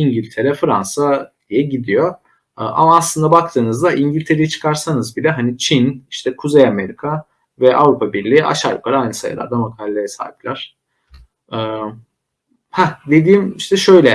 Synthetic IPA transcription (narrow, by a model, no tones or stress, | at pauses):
iɲɟilʲt̪ʰe̞ɾɛfɯɾansa | ijɛɟid̪ijo̞ | ɯʔa̰maːslˠɯnd̪abak̚t̪ʰɯːnɯzd̪aʔiɲɟilʲt̪ʰe̞ɾejit͡ʃʰɯ̥kʰaɾsanɯzbilʲɛɦanit͡ʃʰiniʃt̪ʰɛkʰuzejame̞ɾikʰa | vɛʔavɾupʰabiɾlʲiːʔa̰ʃaɾplˠaɾajnɯsa̰jɯ̰lˠa̰ɾd̪amakʰalʲːejɛsa̰ːiplʲæɾ̥ | ɛː | had̪e̞d̪iːmiʃt̪ʰɛʃøjlʲɛ